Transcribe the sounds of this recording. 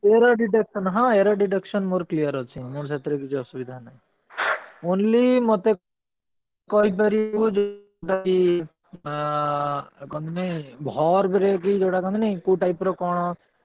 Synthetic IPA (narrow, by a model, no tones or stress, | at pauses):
eɾaɖiʈ̬ekʃɔnɦãeɾaɖiʈ̬ekʃɔnmoːɾklijəɾɦɔt͡ʃʰimoːɾt͡ʃʰet̪ɾəkit͡ʃʰiɔsubid̪ʱanaj | oːnlimɔt̪e | kɔɦip̬ɐɾikud͡ʒo | ʈaki | kɔ̃nd̪ineĩbʱɔɾbɾekid͡ʒoʈakɔ̃nd̪neĩkuʈaipɾɔkɔɽ̃ɔ